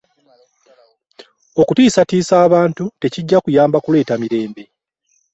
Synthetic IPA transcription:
o̞kutiːsatiːsaːβaːntute̞ciɟːakujaːmbakule̞ːtamiɾe̞ːmbe̞

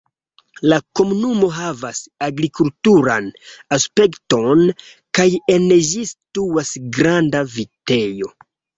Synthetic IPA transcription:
lako̞munumo̞ɦavasaɡɾikultuɾa̰naspe̞kto̞n | kaje̞nd͡ʒisituasɡɾandavite̞jo̞

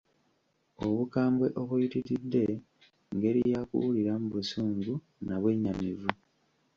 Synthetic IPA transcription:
o̞βukaːmbweʔo̞βujitiɾidːe̞ | ŋɡe̞ɾijakṵwuliɾamuβusuːŋɡu | naβwe̞ːɲamivu

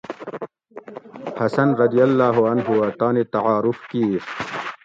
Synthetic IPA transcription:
hɐsɐnɾɐd̪ijɐlːaːɦuɐnɦuɐt̪aːnet̪ɐʕaːɾufki

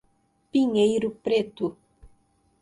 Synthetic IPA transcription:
piŋejɾupɾet̪u

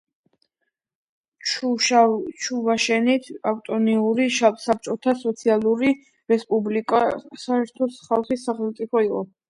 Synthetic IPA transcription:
t͡ʃʰuvaʃɛnit̪ʰaft̪ʼɔniuɾiʃasap̚t͡ʃʼɔt̪ʰasɔt̪sʰialˠuɾi | ɾɛspʼublikʼasaɛɾt̪ʰɔsχalˠχisːaχɛlˠmt̪sʼipʰɔiqʼɔ

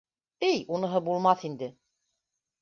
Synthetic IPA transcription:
ijunɤ̆ɦɤbulˠmɑθind̪ɘ

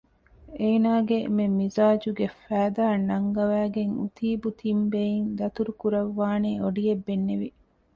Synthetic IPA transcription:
eːnaːɡememizaːd͡ʒuɡefæːd̪aːnːɐŋɡɐʋæːɡeŋṵt̪ʰiːbut̪ʰimbejind̪ɐt̪uɾukuɾɐʋːaːneːoɖijebːenːeʋi

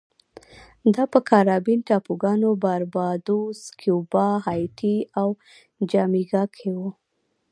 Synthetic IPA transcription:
d̪ɑpəkʰaɾɑbinʈɑpuɡɑnobaɾbɑd̪oskʰjubɑɦɑjʈʰiaw | d͡ʒɑmiɡɑkʰewu

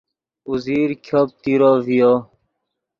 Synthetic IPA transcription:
uziːɾkʰop̚t̪iɾovijo

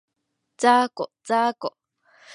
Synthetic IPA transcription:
t͡saːkot͡saːkoʔ

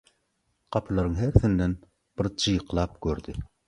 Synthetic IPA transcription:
qʰɑpʰɨlˠɑɾɨŋɦæɾθɪnd̪ɛn | b̥ɪɾt͡ʃʰɨjqʰlˠɑp̚kʰʲøɾd̪ɪ

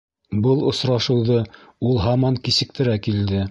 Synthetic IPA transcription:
bɤlˠŏsɾɑʃɤ̆wðɤulˠɦɑmɑŋkisɘ̆k̚t̪ɘ̆ɾækild̪ɘ

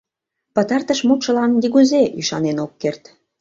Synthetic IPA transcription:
pət̪ɑrt̪əʃmut̪ʃə̆lɑnd̪iɣuzeʔyʃɑnenokːert̪

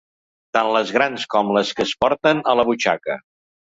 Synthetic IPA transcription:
t̪anləzɣɾanskɔmləskəspɔɾt̪ənələβut͡ʃa̰kə

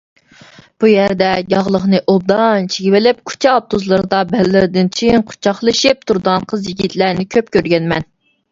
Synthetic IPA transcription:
b̥ujæɾd̪ɛjɑʁlˠəχnɨʔob̚d̪ɑnt͡ʃʰiɡʲivɪlɪp̚kʰu̥t͡ʃʰɛɑp̚t̪ʰuzlˠɨɾɨd̪ɑbɛlːɪɾɪd̪ɪnt͡ʃʰijiŋqʰʊ̥t͡ʃʰɑχlˠɨʃɪp̚t̪ʰuɾd̪ɑnqʰəzjiɡʲit̪ʰlænɪkʲʰøp̚kʲøɾɡʲɛnmɛn

